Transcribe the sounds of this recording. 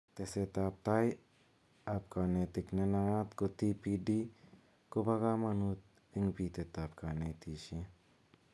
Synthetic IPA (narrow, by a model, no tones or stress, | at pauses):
t̪eset̪ap̚t̪aj | ap̚kaːnet̪iknenaat̪kot̪ipiɖi | kobaɡamɐnut̪̚ | iŋpit̪et̪apkanet̪iːʃe